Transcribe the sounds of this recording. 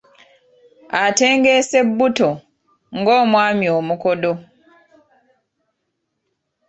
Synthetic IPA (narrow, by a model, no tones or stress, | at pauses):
ate̞ːŋɡe̞se̞bːuto | ŋɡo̞ːmwaːmjoːmuko̞do